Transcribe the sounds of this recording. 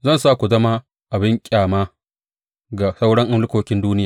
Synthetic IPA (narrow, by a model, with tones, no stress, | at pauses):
zɐ˦˨nsaː˦kʷu˨zɐ˦ma˦ | ʔa˨bɪ˦ŋkʲʼaː˨maː˦ | ɡa˨sa˦wɽɐ˦ŋʔɪ˦nlʊ˦kʷoː˦kʲɪ˦nduː˦nɪ˦jaː˨